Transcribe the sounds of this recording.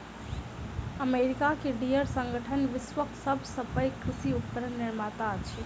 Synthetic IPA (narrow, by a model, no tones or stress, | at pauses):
əmeɾikakeɖijəɾsə̃ŋɡəʈʰənʋɪsʋəksəbʱsəpəjkɾisiup̚kəɾənːiɾmat̪at͡ʃʰɛ